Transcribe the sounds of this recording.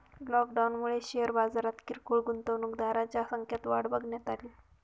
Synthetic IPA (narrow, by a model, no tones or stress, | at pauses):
lɔkɖawnmuɭeɕeəɾbad͡zaɾat̪kiɾkuɭɡunt̪əʋnukd̪aɾat͡ɕjasəŋkʰjat̪ʋaɽbəɡnjet̪ali